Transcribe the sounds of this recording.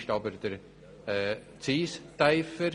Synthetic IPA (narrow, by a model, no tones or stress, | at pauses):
ʃtɑbəɾd̪əɾ | ɛː | t͡siːst̪ajfəɾ